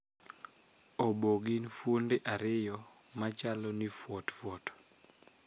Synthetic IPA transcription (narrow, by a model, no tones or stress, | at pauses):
oboɡinfondeʔaɾɪjɔmat͡ʃalɔnifwɔtfwɔt